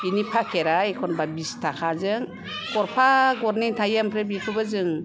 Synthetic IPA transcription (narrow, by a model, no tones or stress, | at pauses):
binipʰakʰeɾaekʰɔnbabistʰakʰazɯŋ | kɔɾpʰaɡɔɾnitʰajampʰɾebipʰɯbɯzɯŋ